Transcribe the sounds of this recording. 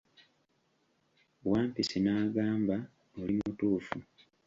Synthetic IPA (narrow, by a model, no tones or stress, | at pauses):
waːmpisinaːɡaːmba | olimutuːfu